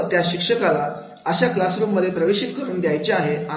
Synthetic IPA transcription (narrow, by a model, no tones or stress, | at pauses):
t̪jaɕikʂəkala | əɕaklasɾumːəd̪ʱjepɾəʋeɕit̪̚kəɾuːnd̪jajt͡ɕeaɦea